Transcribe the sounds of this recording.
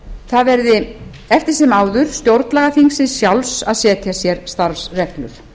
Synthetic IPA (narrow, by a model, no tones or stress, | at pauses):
θaðvɛɾðɪ | ɛft̪ɪɾ̥sɛmaːwðʏɾ̥st̪jowɾt̪nlaɣaθiŋsɪðsjawlsaðsɛːt̪ʰjasjɛɾst̪aɾfsrɛklʏɾ̥